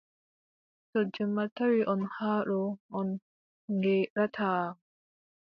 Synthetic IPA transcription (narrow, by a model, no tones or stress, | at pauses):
tɔd͡ʒɛmːataɾiʔɔnhaːɗɔʔɔn | ŋɡɛɾatʰaː